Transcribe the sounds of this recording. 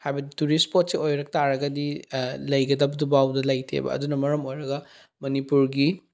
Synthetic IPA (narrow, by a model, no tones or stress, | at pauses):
hajbɐdituɾispot̚siojɾɐk̚taɾɐɡɐdilɐjɡɐdɐbɐdubawdɐlɐjtʰḛbɐ̰ɐ̰dunɐmɐɾɐmojɾɐɡɐ | mɐnipuɾɡi